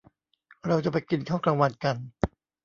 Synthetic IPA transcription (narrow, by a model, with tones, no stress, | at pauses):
ɾa˧wt͡ɕa˨˧˩pa˧jki˧nkʰaː˥˩wkla˧ŋwa˧nka˧n